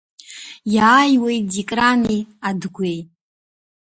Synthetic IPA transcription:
jaːjwejdikʼranejadɡʷej

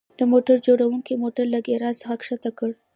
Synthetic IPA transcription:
d̪̥əmoʈaɾd͡ʒoɽawuŋkimoʈaɾlaɡeɾɑsəxakʂat̪akəɽ

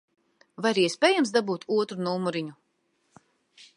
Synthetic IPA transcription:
vaɾiɛsʲpʲeːjamsd̪abuːt̪uɔt̪ɾunuːmuɾiɲu

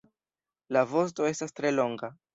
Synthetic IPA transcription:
lavo̞s̬to̞e̞stastɾe̞lo̞ŋɡa

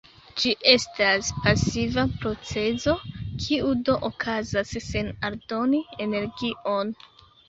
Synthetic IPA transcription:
d͡ʒiʔe̞staspasivapɾo̞t͡se̞zo̞kʰiudo̞ʔokʰazasːe̞naldo̞nie̞ne̞ɾɡiʔo̞n

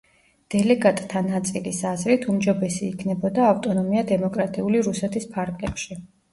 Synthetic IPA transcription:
d̪̥ɛlɛɡat̪ʼt̪ʰːanat̪sʼilisazɾit̪ʰumd͡ʒɔbɛsiːkʰnɛbɔd̪aːft̪ʼɔnɔmiad̪ɛmɔkʼɾat̪ʼiuliɾusɛt̪ʰispʰaɾɡʼlɛpʃi

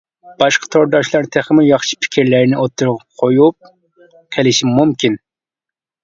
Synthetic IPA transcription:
b̥ɑʃqʰɑ̥t̪ʰoɾd̪ɑʃlˠɑɾt̪ʰæχmɪjɑχʃi̥pʰɪ̥kʲʰiɾlæɾnɪʔot̪ʰːuɾʁɑqʰojup̚ | qʰelɪʃimmumkʲʰin

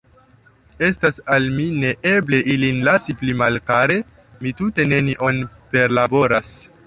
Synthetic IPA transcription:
e̞stasalmine̞ʔe̞ble̞ʔilinlasiplimalkaɾe̞ | mitute̞ne̞niʔo̞npe̞ɾlabo̞ɾas

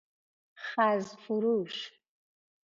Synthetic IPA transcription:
χazzfuɾuʃ

